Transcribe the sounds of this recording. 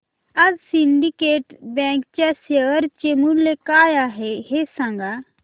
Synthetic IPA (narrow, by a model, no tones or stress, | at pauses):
ɐzsinɖikeːʈbɛ̃ːŋk̚t͡ʃaseəɾt͡ʃemunlekaːjaɦehesãːŋɡa